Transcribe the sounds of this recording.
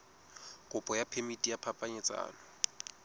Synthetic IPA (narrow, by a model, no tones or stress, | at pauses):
kʼʊpʼɔjapʰemitʼijapʰapʼaɲɛt͡sʼa̰ːlɔ